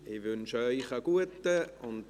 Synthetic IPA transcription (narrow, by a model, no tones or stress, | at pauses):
ɪvʏnʃœʏχaɡ̥uətəʊnt